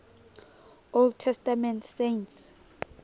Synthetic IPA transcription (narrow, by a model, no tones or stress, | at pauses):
old̚tʰɛstamɛ̃ntʰsents